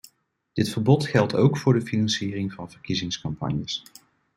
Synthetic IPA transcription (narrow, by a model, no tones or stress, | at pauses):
d̥ɪtfəɹbɔtχɛlˠtʰowkfʊːɹdəfinɑnsiːrɪŋvɑnvəɹkizɪŋskɑmpɑ̰ɲjəs